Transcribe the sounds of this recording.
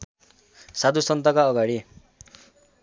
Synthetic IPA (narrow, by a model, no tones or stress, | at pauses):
sad̪usʌnt̪ʌkaʌɡaɽi